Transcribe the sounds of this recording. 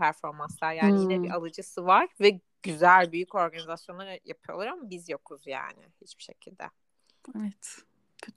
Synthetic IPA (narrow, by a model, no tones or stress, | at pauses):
pʰæɾfo̞ɾmanslˠaɾjaːnijinʲɛbiʔalˠɯd͡ʒɯsɯvaɾ̥vɛ | ɟ̥yzælʲbyjyco̞ɾɡanizasjonˠaɾja̰pʰɯjo̞lˠaɾamabizjo̞kʰuzja̰ːnɪ̰hit͡ʃbi̥ʃe̞̰cʰilʲd̪ɛ̰ | evɛt̪